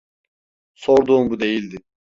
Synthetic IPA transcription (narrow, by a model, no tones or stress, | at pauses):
soɾd̪uːmbud̪e̞jilʲd̪ɪ